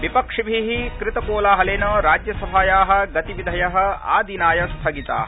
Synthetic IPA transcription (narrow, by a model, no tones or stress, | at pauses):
ʋipɐkʂibʱiɦikɾɪt̪ɐkoːlaːɦɐleːnɐɾaːd͡ʒjɐsɐbʱaːjaːɦɐ̆ɡɐt̪iʋid̪ʱɐjɐɦɐ̆a̰ːd̪ʱinaːjɐst̪ʰɐɡit̪a̰ːɦɐ